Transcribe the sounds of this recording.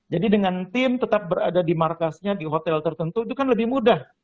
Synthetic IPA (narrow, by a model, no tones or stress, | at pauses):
d͡ʒadidəŋant̪ɪmt̪ət̪ap̚bəɾa̰dadimarkasɲadiɦot̪ɛlt̪ərt̪ənt̪ud̪ukanləbɪhmudah